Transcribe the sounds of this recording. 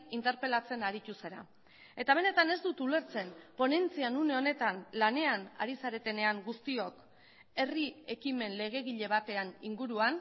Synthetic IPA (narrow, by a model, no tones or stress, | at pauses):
int̪e̞ɾpe̞lat͡se̞naɾit̪use̞ɾa̰ | e̞t̪aβ̞e̞ne̞t̪ane̞zd̪ut̪ule̞ɾt͡se̞npo̞ne̞nt͡sianune̞o̞ne̞t̪anlane̞ana̰ɾisaɾe̞t̪e̞ne̞aŋɡust̪io̞k | e̞rie̞kime̞nle̞ɣ̞e̞ɣiʎe̞β̞at̪e̞anḭŋɡuɾuan